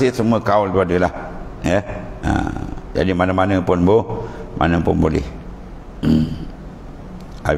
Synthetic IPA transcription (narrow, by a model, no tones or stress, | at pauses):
isəmuəkaolt̪uadəlahjɛə̰d͡ʒa̰dimanəmanəpʊnbomʔa̰nəpʊnbolɛ̰h | a̰